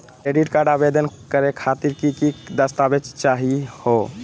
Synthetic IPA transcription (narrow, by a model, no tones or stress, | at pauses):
kɾeɖiʈkaɾɖabed̪ənkəɾekʰat̪iɾkikid̪əst̪abed͡ʒt͡ʃaɦiho